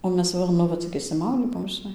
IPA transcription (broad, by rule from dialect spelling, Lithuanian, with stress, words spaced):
oː ˈmʲɛs ˈʋɐ nʊ ˈʋɐ t͡sʲɪk ɪʃʲsʲɪˈmɐʊdʲiː ˈbuɔm ʒʲɪˈnɐɪ